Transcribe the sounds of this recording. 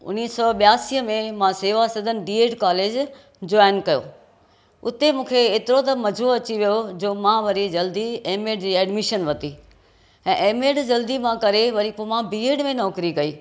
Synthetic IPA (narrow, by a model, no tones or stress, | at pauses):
ʊ̰nːiːsɔɓɪjaːsiːəmẽmãseːʋasɐd̪ʱənɪ̆ɖiːeːʈkaːleːd͡ʑ | d͡ʑaːɪnkɐjo̰ː | ʊt̪emũːkʰeeːt̪ɪɾot̪ɐmɐd͡ʑʱoɐt͡ɕiʋijod͡ʑoːmãʋɐɾid͡ʑɐld̪ieːmeːɖd͡ʑiːɛːɖmɪʃənʋɐt̪i | ɛ̃ːʔeːmeːɖd͡ʑɐld̪imãkɐɾeʋɐɾipomãbiːeːɽmẽnɔːkɾikɐiː